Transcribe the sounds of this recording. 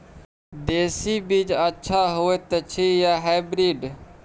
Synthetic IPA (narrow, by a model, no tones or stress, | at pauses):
d̪eːsibiːd͡ʒətːʃʰaɦoeːt̪et͡ʃʰijaːɦaɪbɾiːɖ